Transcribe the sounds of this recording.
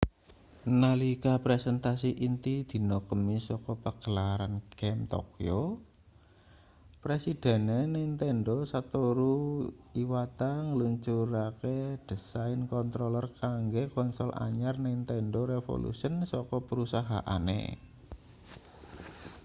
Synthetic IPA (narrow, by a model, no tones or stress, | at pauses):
nalikapɾɛsɛnt̪asiʔint̪id̪̥i̤nokəmisɔkɔpəɡ̥əlaɾanɡ̥ɛmt̪ɔ̰kjo | pɾesid̪̥ɛ̤nenɛnt̪ɛnɖosat̪oɾuiwat̪aŋəluɲt͡ʃuɾaked̪̥ə̤saɪnkɔnt̪ɾolərkaŋɡekɔnsɔla̰ɲarnɛnt̪ɛnɖoɾefo̰lṵsənsɔkɔpəɾusaɦa̰ʔa̰nḛ